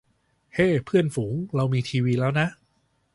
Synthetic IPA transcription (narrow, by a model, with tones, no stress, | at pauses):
heː˥˩pʰɯ˥˩ənfuː˩˦ŋɾa˧wmiː˧t̪ʰiː˧wiː˧lɛː˦˥wna˦˥ʔ